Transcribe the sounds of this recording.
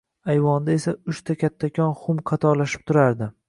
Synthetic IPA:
ajvɒnd̪ae̞saʊʃt̪ʰakʲat̪ʰːakʲʰɒnχʊmqʰɑt̪ʰɒɾlaʃɪ̥p̚t̪ʰʊɾaɾd̪ɪ

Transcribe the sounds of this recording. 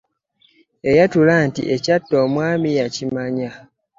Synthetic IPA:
ejatulantḭʔecatːomwaːmijacimaɲa

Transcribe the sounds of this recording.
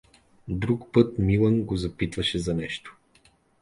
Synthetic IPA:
d̪ɾukpɤt̪milˠənɡozɐpit̪vɐʃɛzɐnɛʃt̪o̥

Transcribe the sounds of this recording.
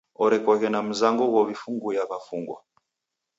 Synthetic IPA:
ɔɾɛkwakɛnam̩zaŋɡɔɣɔβifuŋɡujaβafuŋɡwa̰

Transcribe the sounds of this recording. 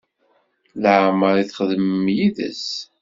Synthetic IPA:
ləʕməɾiθχðmːjiðə̰s

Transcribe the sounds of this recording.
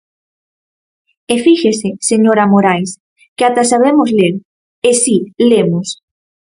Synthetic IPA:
efiʃeseseɲoɾamoɾajs | kɪat̪asaβemozleɾ | esilemos

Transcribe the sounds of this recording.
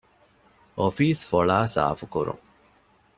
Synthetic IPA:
ofiːsfoɭaːsa̰ːfukuɾṵŋ

